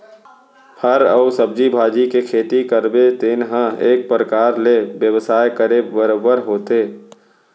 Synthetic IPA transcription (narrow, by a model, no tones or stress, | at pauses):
pʰəɾəːʊsəb̚d͡ʒibʱaːd͡ʒikekʰeːt̪ikəɾbet̪eːnɦə̃eːk̚pɾəkaːɾlebjəʋsaːjkəɾebbəɾoːbəɾɦoːt̪eː